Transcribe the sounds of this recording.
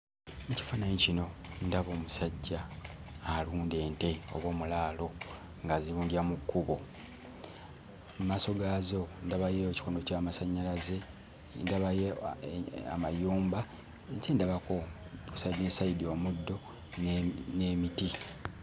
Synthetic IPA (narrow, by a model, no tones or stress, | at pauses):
neci̥fananicino̞ndaβoːmusaɟːaː | luːnde̞ːnte̞o̰βwo̞ːmulaːlo̞ | ŋɡaziluːndiamukːuβo̞ | maːso̞ɡaːzo̞ndaβajeoci̥koːndo̞caːmasaɲːalaze̞ | ndaβaje | a̰majuːmba | nsindaβako | ku̥sadeːsaidio̞ːmudːo̞ | nneːmiti